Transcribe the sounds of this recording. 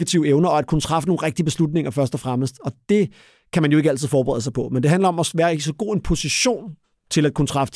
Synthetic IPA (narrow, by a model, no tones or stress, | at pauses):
æt͡sʰiʊeʊnɐɒ̽æd̥kʰunət͡sʰʁɑ̈fəno̝ːn̩ʁeɡ̥̚d̥iəb̥e̝slud̥ne̝ŋɐfɶɐsd̥ɒfʁaməsd̥ɒ̽d̥e̝ | kʰæmænjoeɡ̥æl̰t͡sʰið̩ˠfɒːbeʁɛ̰ðˠsɑ̈ɪpʰɒ̽mend̥e̝ɦænlɐɒ̽mɒ̽sʋæːɐisɒ̽ɡ̥o̝̰ːe̝npʰo̝siɕo̝̰ːn | t͡sʰe̝læd̥̚kʰunət͡sʰʁɑ̈fə̥